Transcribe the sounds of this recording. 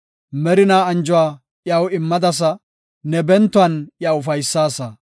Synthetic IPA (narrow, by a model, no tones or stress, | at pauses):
mɛɾɪnaːɐnd͡ʒʊwaː | jɐwɪmːɐd̪ɐs̬ɐ | nɛbɛnt̪ːʊɐnjawʊfɐjsːaːsɐ